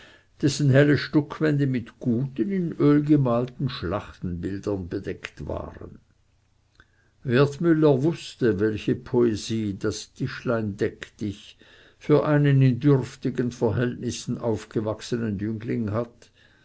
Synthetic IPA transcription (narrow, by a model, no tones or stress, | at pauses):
d̥ɛsn̩ɦɛləʃtɔkʰvɛnd̪əmɪt̪ɡ̥uːtənɪnøːlɡəmaːltn̩ʃlaχtn̩bɪld̥ɐnbed̥ɛktva̰ːʁə̰n | vɛɐt̪mʏlːəvʊstəvɛlçəpʰoeziːdastʰɪʃlaɪndɛktɪç | fyːɐʔaɪnənɪndʏrftɪɡənfɛɐɦɛltnɪsn̩ʔaʊfɡ̥əvaksənənjʏŋklɪŋhat